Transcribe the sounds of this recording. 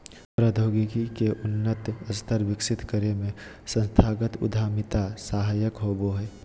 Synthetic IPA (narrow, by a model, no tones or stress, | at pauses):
pɾəd̪ʱoːɡikikeʔʊnːət̪əst̪ʰəɾʋɪksɪt̪kəɾemẽ | sə̃nst̪ʰaːɡət̪ʊ̰d̪ʱaːmɪt̪asaːɦaːjəkɦoːboɦɛː